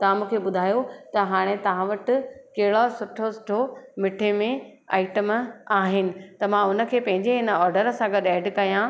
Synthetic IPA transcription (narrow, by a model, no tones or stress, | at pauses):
t̪ɐʋ̤ãmũːkʰeɓʊd̪ʱaːjot̪ɐɦaːɽ̃et̪ɐʋ̤ãʋɐʈɪ̆kɐɦɪɽosʊʈʰosʊ̥ʈʰomɪʈʰemẽ | a̰ːɪʈəmaːɦɪnɪ̆t̪ɐmãʊnə̆kʰeːpɐ̃ɦɪ̃ɲd͡ʑeɦɪnəɔːɾɖəɾsãɡɐɗɛːɖkɐjã